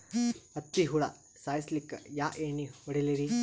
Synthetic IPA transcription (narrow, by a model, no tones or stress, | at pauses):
ɐt̪ːiɦuɽa | saːjslikːɐ̰jaːʔeːniɔɽeliɾi